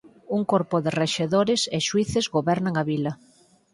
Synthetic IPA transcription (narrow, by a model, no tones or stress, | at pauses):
uŋkoɾpʊðɪreʃeðoɾɪseʃwiθezɣoβɛɾnaŋaβilɐ